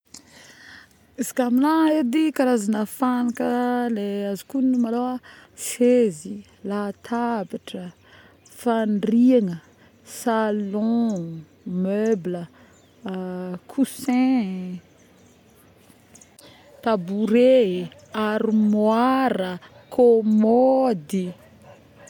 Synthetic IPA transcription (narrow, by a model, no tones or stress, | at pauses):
izi̥kamilaed̪ikaɾazanəfanakəleazi̥kunumalowasezi | lat̪ʰabiʈ͡ʂə | faɳriaŋə | salɔ̃ | møblə | kʰusɛ̃ | t̪abuɾeaɾimwaɾə | kʰomɔd̪i